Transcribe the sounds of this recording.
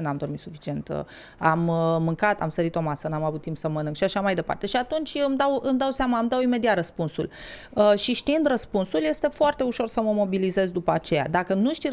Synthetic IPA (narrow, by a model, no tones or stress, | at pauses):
namd̪o̞rmit̪sufi̥t͡ʃie̞nt̪ə̰ | amːɨŋkat̪a̰msəɾit̪o̞masənamavut̪ːimpsəmənɨŋkʃiaʃamajd̪e̞pa̰rt̪e̞ʃiat̪unt͡ʃʲɨmd̪awɨmd̪awseamaɨmd̪awime̞d̪iat̪rəspunsul | əʃiʃt̪iind̪rəspunsulje̞st̪e̞foart̪e̞uʃo̞rsəməmo̞bilize̞zd̪upəat͡ʃe̞ja̰d̪akənuʃt̪i